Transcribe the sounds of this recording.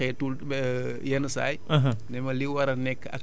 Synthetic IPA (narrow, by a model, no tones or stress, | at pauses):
ɛtul | jɛnəsa̰ːjɦnɛmɐliwɐɾɐnɛkːɐ̰